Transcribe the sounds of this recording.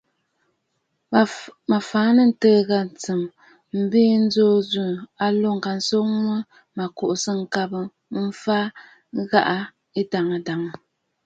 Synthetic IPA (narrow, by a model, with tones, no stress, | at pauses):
ma˨faː˨˦nə˨n̩˦təː˦ɣa˦n˨t͡sɨ˨m | m̩˦biː˦n̩˦zoː˦zu˦˨a˨lo˦˨ŋ̩˨ka˨n̩˨˦so˦ŋwə˦ | ma˨ko˨ʔsə˦ŋ̩˨ka˦bɨ˨˦ | fa˦ | ɣa˦ʔa˦ | e˦da˨ŋə˨da˨ŋə˨